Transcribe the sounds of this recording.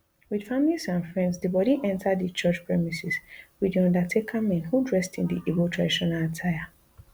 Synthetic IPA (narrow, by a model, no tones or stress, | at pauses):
wid̥familisãnfɹɛ̃ndsdəbɔɾiʔɛ̃ntʰadðət͡ʃɔt͡ʃpʰɹɛmisɛswidiɔ̃ndatʰekʰamɛ̃nhudɹɛstĩndḭʔibotʰɹadiʃɔ̃nalatʰaɪa